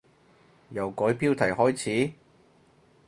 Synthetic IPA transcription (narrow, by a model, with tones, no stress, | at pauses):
jɐ˨wkɔː˨˥jpiː˥wt̪ʰɐ˨˩jhɔː˥jt͡sʰiː˨˥